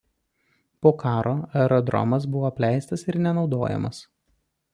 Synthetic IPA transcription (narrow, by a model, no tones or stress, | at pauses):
poːkʰɑːɾoːɛɾɔd̪ɾɔ̰mɐs̬bʊʋoːpʲlʲæˑɪst̪ɐsɪɾnʲɛnɒʊd̪oːjɛ̰mɐ̰s